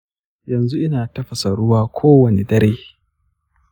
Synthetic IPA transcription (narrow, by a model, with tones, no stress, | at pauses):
jɐ˨nzu˦ʔɪ˦naː˨tɐ˦ɸɐ˨sa˨ɽʊ˦waː˦kʷʰoː˦wɐ˨ne˨dɐ˦ɾeː˦